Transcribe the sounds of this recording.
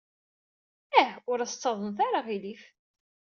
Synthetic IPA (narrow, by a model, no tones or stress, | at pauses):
æhʊɾæst͡sːɑðˤənθaɾaʁilif